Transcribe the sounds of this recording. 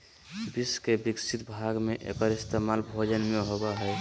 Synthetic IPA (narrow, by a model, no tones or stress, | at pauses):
biskebiksʰit̪bʱaɡmeʔḛkəɾɪst̪emalbʱod͡ʒənmeɦobaɦɛj